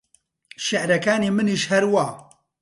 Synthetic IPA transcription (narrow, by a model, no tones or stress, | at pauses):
ʃɛʔɾɛkaːneːmɨniːʃhɛɾwaː